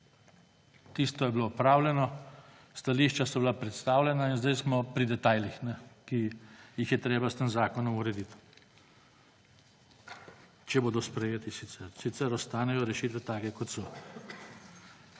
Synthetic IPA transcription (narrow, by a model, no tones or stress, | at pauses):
t̪iːst̪ɔjɛbiloɔpɾaːwlʲjɛnɔ | st̪aliːʃt͡ʃasɔbilapɾɛt̪st̪aːwlʲɛnainzd̪ɛjsmɔpɾid̪ɛt̪aːjlixnɛkijixjɛt̪ɾeːbast̪eːmzaːkɔnɔmuɾɛd̪it̪ | t͡ʃɛboːd̪ɔspɾɛjeːt̪isit̪sɛɾsit̪sɛɾɔst̪aːnɛjɔɾɛʃit̪ʋɛt̪aːkɛkɔt̪sɔ